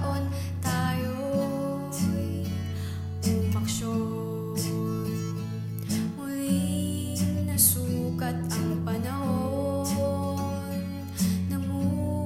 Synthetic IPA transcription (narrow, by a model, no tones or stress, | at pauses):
ʔon | t̪aːjo | j | pɐkʃo | ʊ | j | nɐsuːkɐt̪̚ʔɐŋpɐnɐhoo | n | nɐmu